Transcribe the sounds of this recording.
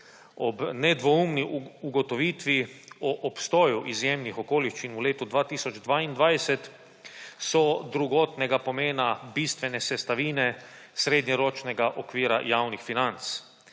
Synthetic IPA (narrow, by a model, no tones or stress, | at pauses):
ɔbnɛd̪ʋɔumniuɡɔt̪ɔʋiːt̪ʋiɔʔɔpst̪ɔːjuʔizjeːmnixɔkoːliʃt͡ʃinuleːt̪ud̪ʋaːt̪iːsɔd͡ʒd̪ʋaːind̪ʋajsɛt̪ | sɔd̪ɾuɡɔːt̪nɛɡapɔmeːnabiːst̪ʋɛnɛsɛst̪aʋiːnɛsɾeːd̪ɲɛɾoːt͡ʃnɛɡaʔɔkʋiːɾa̰jaːwnixfinant̪s